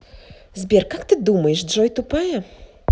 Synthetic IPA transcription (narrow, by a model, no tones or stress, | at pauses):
zʲbʲɛrkakt̪ɨd̪umɐjɛʂdʐɔjt̪ʊpajɛ